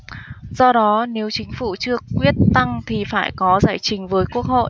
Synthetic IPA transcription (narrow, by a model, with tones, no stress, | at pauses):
z̥ɔ˧ɗɔ˨˦ne˨˦wt͡ɕï˨˦ŋ̟fu˧˩t͡ɕɨ˧əkwi˦˥ət̚t̪a˧ŋt̪ʰi˨˩faː˧˩jkɔ˨˦zaː˧˩jt͡ɕï˨˦ŋ̟vəː˨˦jku˦˥ək̚ho̰˧˨ʔ